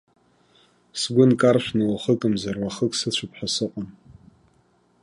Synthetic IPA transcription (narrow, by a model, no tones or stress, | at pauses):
sɡʷʊnkʼarʃʷᶣnɨwχəkʼɨmzarwaχəkʼsɨt͡ɕʷʰʊpʰħasɨqʷʼan